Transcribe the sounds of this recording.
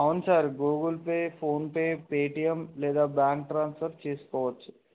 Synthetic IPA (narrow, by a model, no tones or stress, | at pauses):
aʊnsaɾɡoːɡəlpefʰoːnpepeːʈijəmleːd̪abãːɳkʈɾãːnsfəɾt͡ʃiːskɔːt͡ʃ